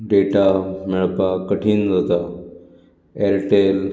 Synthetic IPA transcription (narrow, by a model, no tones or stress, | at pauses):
ɖeʈameɭpakəʈʰiːnd͡zat̪a | eɾʈel